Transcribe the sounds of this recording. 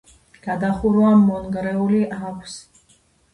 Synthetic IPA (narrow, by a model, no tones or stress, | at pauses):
ɡ̥ad̪aχuɾuamɔnɡɾɛuliʔakʷʰs